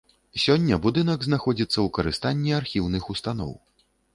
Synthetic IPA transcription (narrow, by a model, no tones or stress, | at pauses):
sʲɔnʲːɐbud̪ɨnɐɡznaxɔd͡zʲit̪sːɐwkɐɾɨst̪anʲːiarxʲiwnɨxust̪an̪ɔ̰w